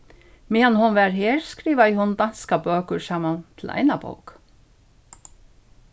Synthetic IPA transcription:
mɪanhʊnʋæɾɦeːɹskɾiːʋajɪhʊnd̪anskabøːkʏɾsaːmant̪ʰɪlʔa̰jnabo̰wk

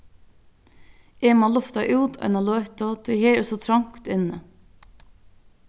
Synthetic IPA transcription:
ʔeːmɑːlʊft̪ɑʔʉːd̪œ̰nɑloːt̪ɑt̪ʰeheːɾsɔt̪ʰɾɑŋkt̪ɪnə

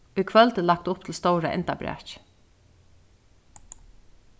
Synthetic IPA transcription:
uʏjkʰvœlt̪ɪlak̚t̪ʊpt̪ʰɪlst̪ɔwɾa̰ʔɛ̰nt̪abɾɛ̰t͡ʃ

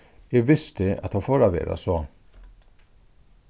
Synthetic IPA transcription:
jeːɡʋɪst̪əɑ̰t̪hɑfoːɾɑʋḛːɾa̰sɔ

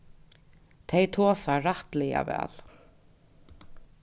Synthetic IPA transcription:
t̪ʰejt̪ʰoːsaɾaht̪lɛja̰vɛ̰ːl

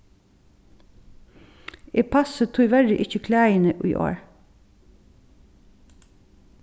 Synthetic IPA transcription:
eːpʰɑsət̪ʰuːʋædəʔɪçəkʰlæːɪnəʔḭːʔo̰ːɹ

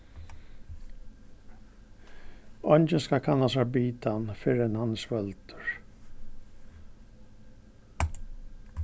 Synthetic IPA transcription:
ɔnt͡ʃɪnskakʰanːasabiːt̪ʰanfɪɾɛnhansvœlt̪ʏɹ

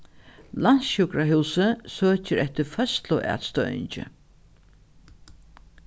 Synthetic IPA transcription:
lan̥sɕʊkɾaɦuwsəsøːt͡ɕɪɾɛht̪ɪɾfœst̪lʊʔæ̰ːt̪st̪œɥɪ̰ɲt͡ʃɪ̰

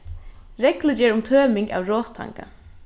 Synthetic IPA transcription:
ɾɛklɪt͡ɕɛːɾʊmt̪ʰœːmɪŋka̰wɾɔːt̪ʰːa̰ŋka̰

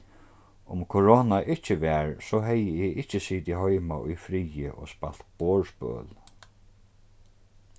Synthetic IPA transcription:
ʊmkʰoɹoːnaʔɪht͡ʃːɪʋɛɹsɔɦɛjɪɪɪht͡ʃːɪsiːt̪iɦɔjmaʔʊ̰jfɾijɪ̰ʔɔ̰spal̥t̪boːɹspœ̰ːl

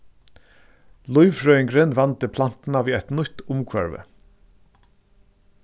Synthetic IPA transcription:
lʊʏʋɹœʏŋɡɾenʋɑnt̪əpʰlan̥t̪n̩aʋiːɛt̪nʊt̪ʊmkʰʋœ̰ɹʋə̰

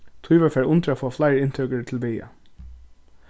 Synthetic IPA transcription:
t̪ʰujʋafɛːɹʔʊnt̪ɾəafoːflaɪɾɪnt̪ʰœkət̪ʰɪlʋɪja̰

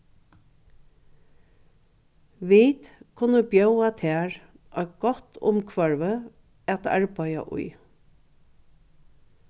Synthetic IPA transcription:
ʋiːt̪kʰʊnəbjœwat̪ʰɛːɹ | ɔ̰ʏɡ̥ɔt̪ʰʊ̰mkʰʋœɹʋə | ɛt̪ʰa̰ɹpɑja̰ʔʊ̰j

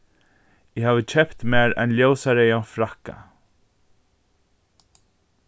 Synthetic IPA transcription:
ɪɦaːvət͡ʃʰɛpt̪mɛːɾa̰jnljoːwsaɾejanfɾahka̰

